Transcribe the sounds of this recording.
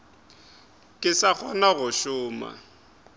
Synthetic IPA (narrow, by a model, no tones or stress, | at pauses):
kʼɪsak͡xʰɔnaɣʊʃʊːma̰